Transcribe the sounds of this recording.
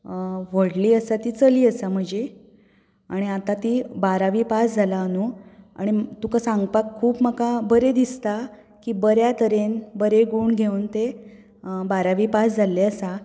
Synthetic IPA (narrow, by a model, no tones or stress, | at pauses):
ʋəɽliːəsat̪iːt͡səliːəsam̤əɳd͡ʑe | aɽ̃iat̪at̪iːbaɾaʋiːpasd͡zʱalanua̰ɽ̃it̪ukasãŋɡpakʰːuːpməkabəɾed̪ist̪a | kiːbəɾjat̪əɾenbəɾeɡuːɳɡʱeunt̪e | baɾaʋiːpasd͡zʱaleəsa